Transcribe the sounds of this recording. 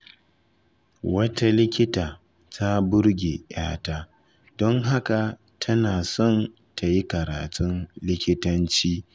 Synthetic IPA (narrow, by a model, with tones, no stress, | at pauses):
wɐ˦tʰa˦lɪ˦kʲɪ˦taː˨ | tʰa˦bʊ˦ɾɡʲeː˨j̰a̰ː˦ta˦ | d̥ɔ˦ŋɦa˦ka˨ | tʰɐ˦naː˨sɔ˦˨n | tʰa˨ji˦kɐ˨ɾaː˨tʰʼʊ˦nlɪ˦kʲɪ˦tɐ˦nt͡ʃiː˦